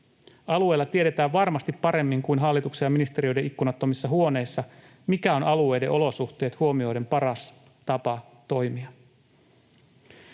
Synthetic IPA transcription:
ɑlue̞jlːɑt̪ieɾe̞t̪æːʋʋɑrmɑst̪ipːɑɾe̞mːiŋkujnɦɑlːit̪uksejɑminist̪e̞ɾio̞jde̞ʔikːunɑt̪ːomisːɑɦuo̞ne̞ːsːɑ | mikæo̞nɑlue̞jde̞̰ʔo̞lo̞suht̪e̞ːt̪huo̞mio̞jde̞mpɑɾɑs | t̪ɑpɑ | t̪o̞jmiɑ

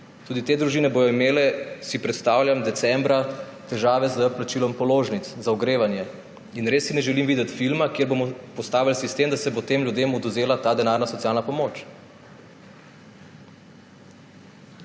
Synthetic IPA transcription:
t̪uːd̪it̪eːd̪ɾuʒinɛboːjɔimeːlɛsipɾɛt̪st̪aːwljamd̪ɛt̪sɛmbɾat̪ɛʒaːʋɛzəplat͡ʃiːlɔmpɔloːʒnit̪szaɔɡɾeːʋanjɛ | inɾesːinɛʒɛlimʋid̪ɛt̪filmakeɾbomɔpɔst̪aːʋilsist̪emd̪asɛbot̪emlʲjud̪eːmɔd̪ɔzeːlat̪aːd̪ɛnaːɾnasɔt̪sijaːlnapɔmoːt͡ʃ

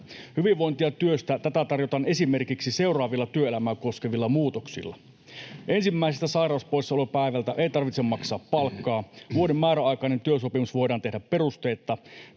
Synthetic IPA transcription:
hyʋiʋʋo̞int̪iɑt̪yøst̪æt̪æt̪æt̪ɑrjo̞t̪ɑːne̞sime̞rkiksise̞urɑːʋilːɑt̪yøelæmæːko̞skeʋilːɑmuːt̪oksḭlːɑ̰ | ʔe̞nsimːæisest̪ːæsɑjɾɑˑuspoisːɑolepæiʋælt̪æʔe̞jt̪ɑrʋit̪semːɑksɑːpːɑlkːɑːʋuodemːæːɾæɑjkɑine̞nt̪yøsopimusʋo̞jdɑːnt̪e̞hdæppe̞rust̪ejt̪ˑːɑ

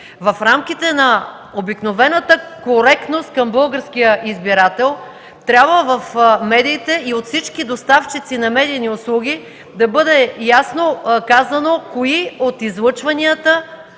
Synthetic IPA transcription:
vɐfɾamk̟it̪ɛnɐ | obiknovɛnət̪əkoɾɛk̚t̪nost̪̚kɐmbɤlˠɡəɾsk̟ijəʔizbiɾat̪ɛlˠ | t̪ɾʲabvəvɐfmɛd̪iːt̪ɛiot̪fsit͡ʃkid̪ost̪aft͡ʃit̪sinɐmɛd̪iniʊslˠuɡ̟ʲi | d̪ɐbɤd̪ɛjasnokazɐnokoiot̪izlˠɤt͡ʃvɐniət̪ə

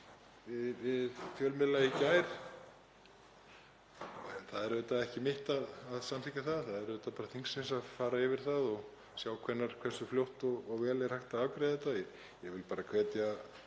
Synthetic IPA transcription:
vɪðvɪðfjœlmɪlːaicaːjɾ | ɛnθaðɛɾvɛt̪aðɛhcɪmɪht̪aðaðsamt̪ʰɪcːaθaðθaðɛɾvɛt̪apaːɾaθiŋsɪnsaðfaːɾaɪvɪɾ̥θaðɔɣ | sjaːwkʰvɛnːaɾ̥kʰvɛr̥sʏfljowht̪ɔːɣvɛːlɛɾ̥hajht̪aavkɾajðɛt̪ajɛ | jɛvɪlpaːɾakʰv̥ɛːt̪ja

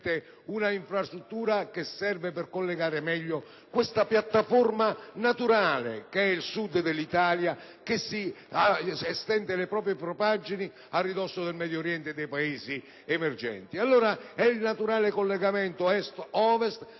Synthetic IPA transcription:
t̪e | unaiɱfɾast̪ɾut̪ːuːɾakesːɛrvepɪrkolːeɡaːɾɪmɛʎːo | kwɪst̪apjat̪ːaformanat̪uɾaːlḛkeɛilsud̪d̪elːit̪aːlja | kesːi | aɛst̪ɛnd̪elepɾɔːp̬ɾjepɾɔpad͡ʒini | arːid̪ɔsːod̪elmɛd̪jɔɾjɛnt̪ed̪ɛjpaeːzi | ɛmerd͡ʒɛ̰nt̪ialːoːɾaɛilnat̪uɾaːlekolːeɡamɛnt̪oɛst̪ɔːvest̪

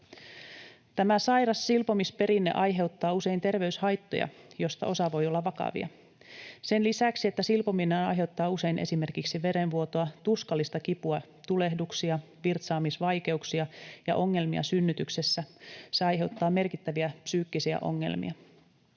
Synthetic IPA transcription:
t̪æmæsɑjrɑsːilpo̞mispe̞ɾinːe̞̰ʔɑjɦe̞ut̪ːɑːuse̞int̪e̞rʋe̞yshɑjt̪ːo̞̰jɑ̰jo̞st̪ɑ̰ʔo̞sɑʋo̞jolːɑʋɑkɑ̰ʋḭɑ̰ | se̞nlisæksie̞t̪ːæsilpominenɑ̰jɦe̞ut̪ːɑːuse̞inʔesimerkiksiʋe̞ɾe̞nʋuo̞t̪oɑt̪uskɑlːist̪ɑkipuɑ | t̪ule̞hduksiɑ | ʋirt̪sɑːmisʋɑjke̞uksiɑjɑ̰ʔo̞ŋːe̞lmḭɑ̰synːyt̪ykse̞sːæseɑjɦe̞wt̪ːɑːme̞rkit̪ːæʋiæpsyːkːisiæ̰ʔo̞̰ŋːe̞̰lmḭɑ

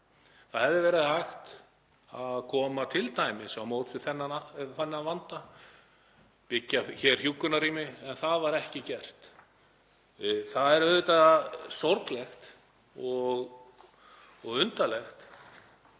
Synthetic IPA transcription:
θaðhɛvðɪvɛːɾɪðhajxt̪ | aðkʰɔːmat̪ʰɪlt̪ʰaːjmɪsamowt̪fɪ̥θɛnːaaθɛnːavant̪a | pɪcːaçɛr̥hjuːkʏnaɾiːmɪɛnθaðvaɾɛhcɪcɛr̥t̪ | θaðɛɾœðʏt̪asɔɾklɛxt̪ | ɔɣ | ɔɣʏnt̪alɛxt̪

